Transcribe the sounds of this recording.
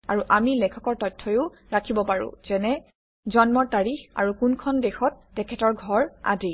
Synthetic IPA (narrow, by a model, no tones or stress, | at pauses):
aɹuʔamilɛkʰɔkɔɹtɔjtʰːɔjʊ | ɹakʰibɔpaɹʊ̰̃z̥ɛnɛ | zɔnmɔɹtaɹixa̰ɹukunkʰɔndexɔtːɛkʰɛtɔɹɡʱɔɹa̰di